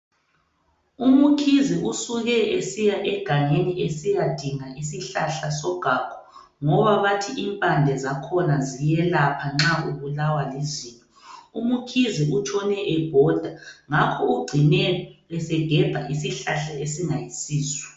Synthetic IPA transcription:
umukʰiziʔusuɣɛʔesijaʔɛɡ̥ʱaŋeniesijad̥ʱiŋaisiɬaɬasɔɡ̥ʱakʰɔ̥ | ŋɔβaβatʰiʔimpʼand͡ɮʱɛzakʰɔnazijɛlapʰaŋ͡ǁauβulawalizintʼɔumukʰiziut͡ʃʰʼɔnɛʔɛb̥ʱɔd̥ʱaŋakʰɔuɡ͡ǀʱinɛniɛsɛɡ̥ʱɛb̥ʱaʔisiɬaɬaesiŋajisiːswɛ̥

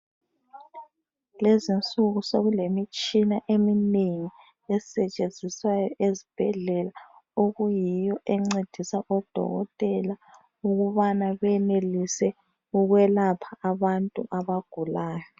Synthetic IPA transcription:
lezint͡sʼuɣusoɣulemit͡ʃʼinaʔemineŋi | ɛsɛt͡ʃʼend͡zʱiswajɔʔezib̥ʱɛɮɛlaoɣujijɔʔɛŋ͡ǀed̥ʱisaʔɔd̥ʱɔ̰ɣɔ̰tʼɛla | uɣuβanaβɛnelisɛ | uɣwɛlapʰaaβantʼuʔaβaɡ̥ʱulaːjɔ

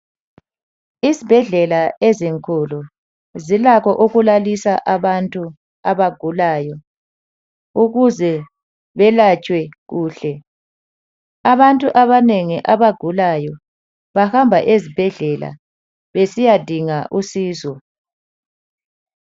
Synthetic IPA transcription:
izib̥ʱɛɮɛlaeziŋkʰʼulu | zilakʰɔʔuɣulalisaʔaβantʼu | aβaɡ̥ʱulaːjɔ | uɣuzɛ | βɛlat͡ʃʼwɛɣuːɬɛ | aβantʼuʔaβaneŋiʔaβaɡ̥ʱulajɔ | βahambʱaʔezib̥ʱɛɮɛla̰ | βesijad̥ʱiŋaʔusiːzɔ

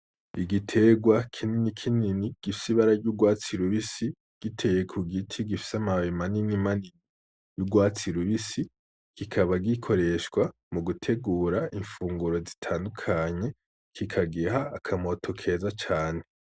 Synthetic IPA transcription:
iɡitʰe̞ɡwakʰininikʰininiɡ̥ifi̥siβaɾaɟuːɡwaːt͡siɾuβisi | ɡ̥itʰe̞je̞kʰuɡitʰiɡifi̥samawimaninimanini | juːɡwaːt͡siɾuβisi | kikʰaβaɡikʰo̞ɾe̞ʃkwa | muɡutʰe̞ɡuːɾaʔiɱfuːŋɡuɾo̞zitʰaːndukʰaɲe̞ | kʰikʰaɡiɦaːkʰamo̞tʰo̞kʰe̞zat͡ʃaːne̞

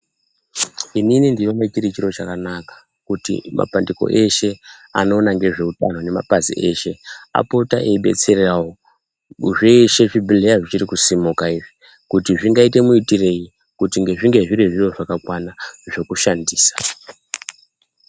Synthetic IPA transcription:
ininindijo̞mat͡ʃirit͡ʃiɾo̞t͡ʃakanakḁ | kutḭmʔa̰pandiko̞̰ʔe̞ʃe̞a̰no̞ːnaŋɡe̞ʐe̞utan̤o̞ne̞ma̰pazḭʔe̞ʃe̞a̰po̞ta̰ʔeiɓe̞̰t͡se̞rerawo | ʐeʃe̞ʐibʱilejaʐit͡ʃirikusimukaiʐi | kutiʐiŋɡaite̞muitire̞ji | kutiŋɡe̞ʐiŋɡe̞ʐiɾiʐijo̞ʐakakwanaʐe̞kuʃandiːsḁ

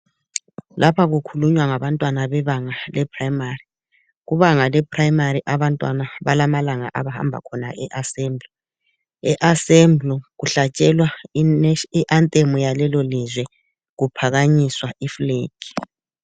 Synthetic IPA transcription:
lʔapʰaɣukʰuluɲwaŋaβantʼwanaβɛβaŋalɛpʰraimari | ɣuβaŋalɛpʰrajimaɾiʔaβantʼwa̰naβalamalaŋa̰ʔaβaha̰mbʱa̰kʰɔna̰ʔɛʔasɛmblɔ | ɛʔasɛmbluɣuɬat͡ʃʼɛlwa | iʔantʼemujalɛlɔlizwɛ | ɣupʰaɣaɲiswaifleːki̥

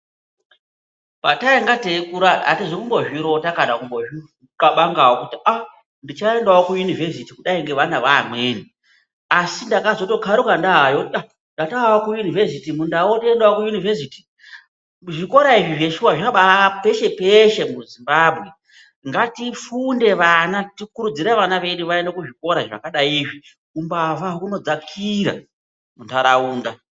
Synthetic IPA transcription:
pataiŋɡatekuɾaa̰tiʐikumbo̞ʒiɾotakaɗakumboi | kaɓaŋɡawokutiʔa | ndit͡ʃae̞ndawokujunivesitikuɗaiŋɡe̞ʋanaʋamweːni | asindakazo̞to̞kʰaɾukandaɦajotia | ndataawokujunivesitimundawontiendawokujunivesiti̥ | ʐiko̞ɾaiʐiʐe̞ʃuwaʐaaɓape̞ʃe̞peʃe̞muzimbaːbʱwe̞ | ŋɡatifunde̞ʋanatikuɾud͡ziɾeʋanaʋe̞ɗuʋaendakuʐiko̞ɾaʐa̰kaɗaiːʐi | umbavaɦuno̞d͡zakʰiɾa̰ | muntaɾauːnda

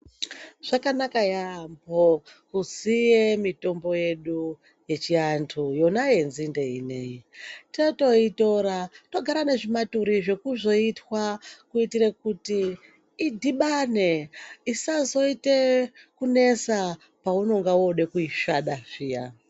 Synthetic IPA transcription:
ʐ̥akanakajambokuzijemito̞mbo̞je̞ɗu | je̞t͡ʃiantʰujo̞naje̞nzinde̞ḭne̞jitinoto̞ito̞ɾato̞ɡʱaɾane̞ʐimatuɾiʐe̞kuzo̞itwakuitiɾekutiː | dʱiɓaneisazo̞itekune̞sa | pauno̞ŋɡawoɗe̞kuiʃaɗaʐija

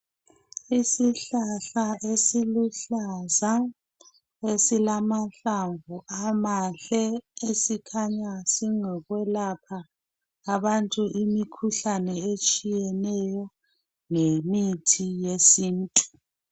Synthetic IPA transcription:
isiɬaɬaʔesiluɬaza | esilamaɬaŋvuʔamaɬɛesikʰaɲasiŋɛɣwɛlapʰaː | βantʼuʔimikʰuɬanɛet͡ʃʼijɛnɛjɔ | ŋemitʰijesiːntʼu̥

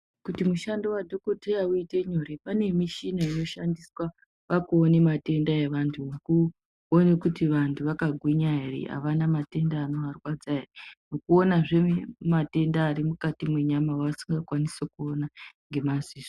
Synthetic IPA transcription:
kutimuʃandowadʱo̞ko̞tʰejauite̞ɲoɾepane̞miʃinaino̞ʃandiswa | ʋakuːne̞mate̞ndaeʋantʰuku | onekutiʋantʰuʋakaɡʱwiɲaerḭa̰ʋanamate̞ndaːno̞ɦarwad͡zaerno̞kuo̞naʐemate̞ndaːɾimukatimwe̞ɲamawasi̥ŋɡakwanisokuonaŋɡe̞maziːʐo

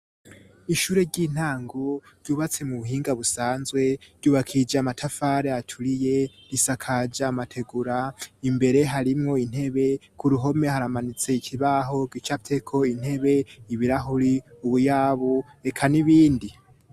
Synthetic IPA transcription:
iʃuːɾe̞ɟin̥haːŋɡoɾɟ̥uːβat͡se̞muβuɦiːŋɡaβusaːnzɡwe̞ɾɟuːβakʰid͡ʒamatʰafaːɾeatʰuɾije̞ɾisakʰad͡ʒaːmatʰe̞ɡuɾaimbe̞ɾe̞ɦaɾimŋo̞in̥he̞βe̞kʰuɾuɦo̞me̞haɾamanit͡se̞ikʰiβaɦo̞ɡwit͡ʃaptʰe̞kʰo̞in̥he̞βe̞iβiɾaɦuɾiuβujaːβue̞kʰaniβiːndi

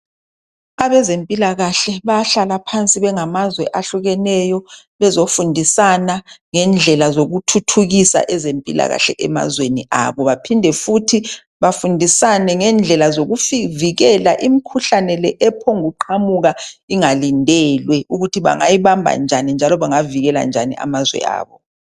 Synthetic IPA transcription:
aβɛzempʼilaɣaɬɛβaɬalapʰant͡sʼiβɛŋamazwɛʔaɬuɣɛnɛjɔ | βɛzofundʱisanaŋɛnd͡ɮʱɛlazoɣutʰutʰuɣisa̰ʔɛzempʼila̰ɣa̰ɬɛ̰ʔɛma̰zweniʔa̰βɔβapʰindʱɛfutʰi | βafundʱisanɛŋɛnd͡ɮʱɛlazoɣufiviɣɛlaʔimikʰuɬanɛlɛʔɛpʰɔŋuǃʰamuɣaiŋalindʱɛlwɛuɣutʰiβa̰ŋajiβambʱa̰nd͡ʒʱanind͡ʒʱalɔβaŋaviɣɛla̰nd͡ʒʱanḭa̰mazwɛ̰a̰ːβɔ

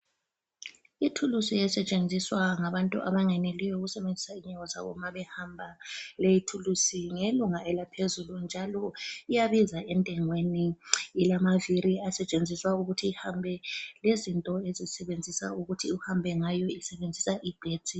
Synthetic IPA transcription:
itʰulusijɛsɛt͡ʃʼend͡zʱiswaŋaβantʼṵʔa̰βaŋɛnelijɔuɣusɛβend͡zʱisaiɲɛɣɔza̰βɔ̰maβɛhambʱalejitʰulusiŋeluŋaɛlapʰezulund͡ʒʱalɔijaβizaɛntʼɛŋweniːlamaviɾiasɛt͡ʃʼend͡zʱiswauɣutʰiːhambʱɛlezintʼɔezisɛβend͡zʱisa̰uɣutʰiuhambʱɛŋajɔisɛβend͡zʱisaʔib̥ʱeːtʼi

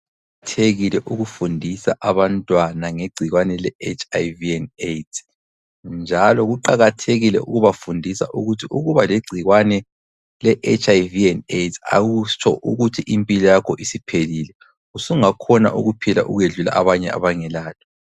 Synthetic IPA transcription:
tʰeɣilɛʔuɣufundʱisa̰ʔaβantʼwanaŋeɡ͡ǀʱiɣwanɛlɛet͡ʃʰʼajviɛnetʰ | nd͡ʒʱalɔɣuǃaɣatʰeɣilɛ̰ʔṵɣuβafundʱisa̰ʔuɣutʰiuɣuβaleɡ͡ǀʱiɣwanɛ | lɛʔet͡ʃʰʼajviɛnetʰa̰ɣut͡ʃʰɔ̰ʔuɣutʰiʔimpʼilɔjakʰɔʔisipʰeliːlɛ | usuŋakʰɔna̰ʔṵɣupʰila̰ʔuɣweɮula̰ʔaβaɲɛ̰a̰βaŋɛlaːtʰɔ̥

